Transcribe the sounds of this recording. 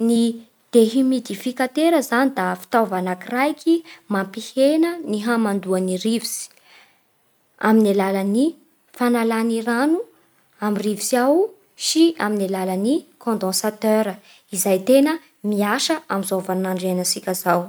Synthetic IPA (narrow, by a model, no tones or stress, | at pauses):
ni | d̪̥eɦimid̪ifikat̪eɾəzanid̪afi̥t̪avanakirajkʲimampihenəniɦamand̪uaniɾivisi̥ | a̰minalaləni | fanalaniranu | amirivisiaw | siaminalalanikʰɔ̃nd̪ɔ̃sat̪øɾə | izajt̪enə | miaʃəʔamizovanaɳɖ͡ʐenəsikʲəzaw